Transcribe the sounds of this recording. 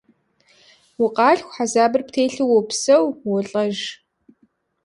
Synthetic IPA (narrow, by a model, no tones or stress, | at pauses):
wʊqɑːɬxʷħazaːbɨrptʰeːɬɨwɔpsɐwwɔɬʼɐʒ